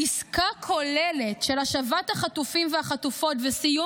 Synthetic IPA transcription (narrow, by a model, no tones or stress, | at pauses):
iskakʰo̞leletʃelaʃavathaχatufimveaχatufo̞tvesiju